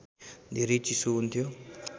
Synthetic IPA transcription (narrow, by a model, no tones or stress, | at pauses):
d̪ʱiɾit͡ʃisuunt̪ʰijo